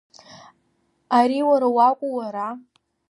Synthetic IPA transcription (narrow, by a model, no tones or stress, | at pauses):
aɾiwaɾawakʷʼuwaɾa